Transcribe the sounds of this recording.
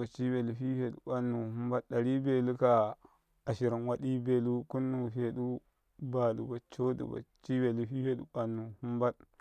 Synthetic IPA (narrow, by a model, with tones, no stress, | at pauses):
a˨t͡ʃi˦be˨lu˨ɸi˦fe˨ɗu˨ɓa˦nːu˨ɦu˦mba˦tɗa˨ɾi˦be˨lu˦ka˨ | a˨ʃi˨ɾi˨nwa˦ɗi˦be˨lu˦ku˦nːu˨fe˨ɗu˦ | ba˨du˨ba˨t͡ʃo˦dṵ˨ba̰˨t͡ʃi˦be˨lu˦fi˦fe˦ɗu˦ɓa˨nːu˨hu˦mba˦t